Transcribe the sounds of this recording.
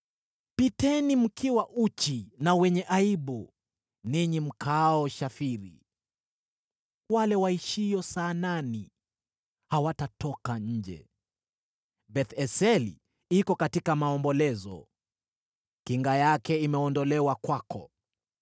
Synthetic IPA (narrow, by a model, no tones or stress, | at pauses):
pitɛnim̩kʰiwaʔut͡ʃinawɛɲɛʔaiɓu | niɲim̩kʰaɔʃafiɾḭ | walɛwaiʃijɔsanani | hawatatɔkaɲ̩d͡ʒɛ̰ | bɛθɛsɛlḭ | ikɔkatikamaɔmbɔlɛzɔ̰ | kiŋɡajakɛimɛɔndɔlɛwakwakɔ̰